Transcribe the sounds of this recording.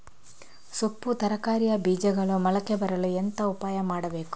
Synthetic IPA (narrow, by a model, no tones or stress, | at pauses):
supːut̪ɐɾɐkaːɾijɐbiːd͡ʒɐɡɐɭumɐlɐkːebɐɾɐluent̪ɐupaːjɐmaːɽɐbe̞ːku̥